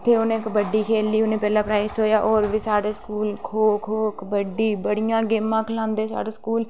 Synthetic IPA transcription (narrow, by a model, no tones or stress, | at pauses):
t̪ʰːeːʊnẽːkbəɖːiːkʰeːlːiːʊnẽːpɛːlaːpɾaːɪsɦoːjaːʔɔːɾʋiːsaːɽeːskuːlkʰoːkʰoːkbəɖiːbəɽijãːɡeːmːãːkʰəlãːnd̪eːsa̰ːɽeːskuːl